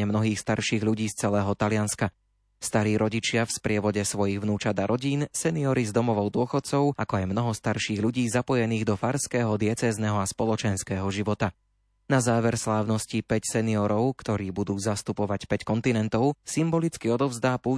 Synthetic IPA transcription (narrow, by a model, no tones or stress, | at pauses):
ɛmnɔɦiːxst̪aɾʃiːɣʎuɟiːst͡sɛlɛːɦɔt̪alɪanska | st̪aɾiːɾɔɟit͡ʃɪafspɾɪɛʋɔɟɛsʋɔjiɣʋnuːt͡ʃad̪aɾʔɔɟiːnsɛniɔɾizd̪ɔmɔʋɔʊd̪ʊɔxɔt̪̚t͡sɔʊakɔajmnɔɦɔst̪aɾʃiːɣʎuɟiːzapɔjɛniːɣd̪ɔfaɾskɛːɦɔd̪ɪɛt͡sɛːznɛɦɔaspɔlɔt͡ʃɛnskɛːɦɔʒiʋɔt̪a | nazaːʋɛɾslaːʊnɔscipɛcsɛniɔɾɔʊkt̪ɔɾiːbud̪uːzast̪upɔʋacpɛckɔnt̪inɛnt̪ɔʊsimbɔlit͡skiɔd̪ɔʊzd̪aːpuː